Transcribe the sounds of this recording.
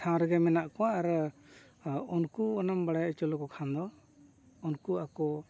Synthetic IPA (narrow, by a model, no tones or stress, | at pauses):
ʈʰãw̃ɾɛɡɛmɛnaʔkɔwaɾ | unkuɔnambaɽajt͡ʃɔlɔkɔkʰand̪ɔ | ɔnkuakɔ